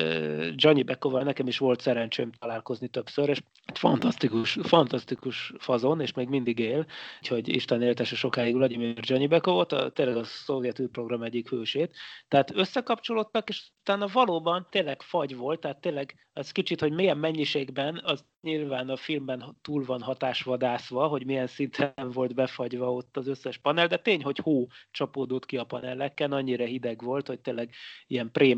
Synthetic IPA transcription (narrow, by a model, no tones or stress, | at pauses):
d͡ʒɒɲibɛkovɒnɛkɛmiʃʋo̞lt̪sɛɾɛnt͡ʃø̰ːmt̪ɒlaːlko̞znit̪øpsøɾeːʃ | it̪fɒ̰nt̪ɒst̪ikuʃfɒnt̪ɒst̪ikuʃfɒzoneːʃmeːɡmind̪iɡeːlcho̞ɟḭʃt̪ɛneːlt̪ɛʃɛʃo̞kaːjiɡlɒɟimird͡ʒɒɲibɛkovo̞lt̪ɒ̰t̪eːlɛɡɒso̞viɛt̪yːpro̞ɡrɒmɛɟːikhøːʃeːt̪ːɛɦaːt̪øsːɛkɒpt͡ʃo̞lo̞t̪ːɒkeːʃut̪aːnɒvɒloːbɒnt̪eːnlːɛɡfɒɟvo̞lt̪ːɛɦat̪ːeːnlɛɡ | ɛskit͡ʃit̪ho̞ɟmeːjɛmːɛɲːiʃeːɡbɛnɒz | ɲilvaːnɒfilmbɛnt̪uːlvɒnɦɒt̪aːʃʋɒd̪aːsʋɒɦo̞ɟmijɛnsint̪ʰɛɱvo̞lt̪bɛfɒɟvɒo̞t̪ːɒzøsːɛʃpɒnɛld̪ɛt̪eːɲɦo̞choːt͡ʃɒpoːd̪ot̪kiɒpɒ̰nɛlːɛkːɛnɒɲːiɾɒɦid̪ɛɡvo̞lt̪ho̞c̚t̪eːlːɛɡiɛmpreː